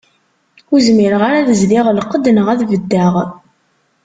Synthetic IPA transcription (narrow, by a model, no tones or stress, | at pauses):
uzmiɾəʁaɾaðəzliʁlqːəd̪nəʁæðvəd̪ːəʁ